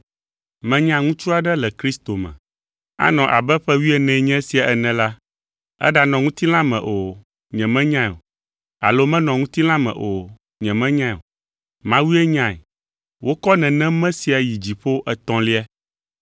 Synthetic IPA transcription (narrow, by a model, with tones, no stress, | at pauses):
mɛ̃˦ɲã˨˦ŋũ˦t͡ʃ̪ɾu˦a˨ɖɛ˦lɛ˨kɾi˦st̪o˨mɛ̰̃˨ | a̰˦nɔ̃˨ʔa˨bɛ˦ɸɛ˦wi˦ɛ˦nɛ̃˨ɲɛ̃˦si˨a˨ʔɛ˨nɛ̃˨la˦ | ɛ̰˦ɖa˨nɔ̃˨ŋũ˦t̪i˦l̃ã˦mɛ̰̃˨ʔo˨ | ɲɛ̃˨mɛ̃˦ɲã˦˨o̰˨ | a̰˨lo˦mɛ̃˦nɔ̃˨ŋũ˦t̪i˦l̃ã˦mɛ̰̃˨ʔo˨ | ɲɛ̃˨mɛ̃˦ɲã˦˨o̰˨ | mã˦wi˦ɛ˦ɲã˦˨ɛ˨ | wo˦kɔ˦nɛ̃˨nɛ̃˦mɛ̃˦si˨a˨ji˨d͡ʑi˨ɸo˦ʔɛ˨t̪ɔ̃˨li˦a˦